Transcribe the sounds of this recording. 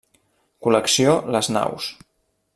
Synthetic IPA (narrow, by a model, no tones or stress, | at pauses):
kuləksioləzna̰ws